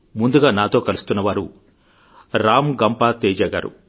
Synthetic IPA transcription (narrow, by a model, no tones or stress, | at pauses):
mund̪uɡaːnaːt̪oːkɐlust̪unːɐʋaːɾu | ɾaːmɡɐmpaːt̪ɛːd͡ʒaːɡa̰ːɾṵ